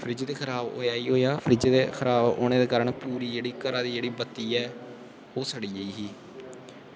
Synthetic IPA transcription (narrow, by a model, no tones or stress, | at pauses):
pʰɾɪd͡ʒːd̪eːkʰəɾaːbo̰ːjaːiːɦoːjaːpʰɾɪd͡ʒːd̪eːkʰəɾaːbo̰ːñeːd̪eːkaːɾəɳpuːɾiːd͡ʒeːɽiːkəɾãːd̪iːd͡ʒeːɽiːbət̪ːiːɛː | oːsəɽiːəiːɦiː